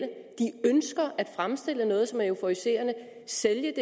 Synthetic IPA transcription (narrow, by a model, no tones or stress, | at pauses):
əd̥iønsɡ̥ɐʔæd̥fʁamsd̥e̝l̰ənɔ̽ːð̞̩ˠsɒ̽mæeʊfoise̝̰ːɐnə | seljəd̥e